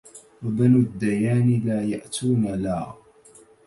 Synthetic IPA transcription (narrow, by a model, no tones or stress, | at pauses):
wabənʊd̪ːajaːnilaːjaʔt̪ʰuːnala